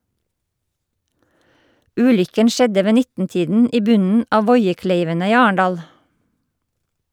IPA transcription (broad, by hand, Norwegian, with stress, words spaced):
ˈʉːlʏkən ˈʃɛdə ˈʋeː ˈnɪtn̩ˌtiːdn̩ ˈiː ˈbʉnn̩ ˈɑː ˈʋɔʏəˌkleɪʋənə ˈiː ˈɑːəɳdɑːl